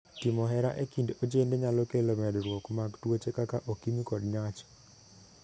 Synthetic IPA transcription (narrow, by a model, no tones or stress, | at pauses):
timɔɦɛɾaʔekindod͡ʒendeɲalɔkelomɛdɾwokmaɡtwot͡ʃekakaʔokimikɔdɲat͡ʃ